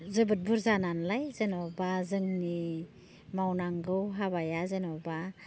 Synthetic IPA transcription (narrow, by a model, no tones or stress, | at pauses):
zəbət̚buɾzananlajzenobazɯŋni | mawnaŋɡɯwɦaβajazenɔba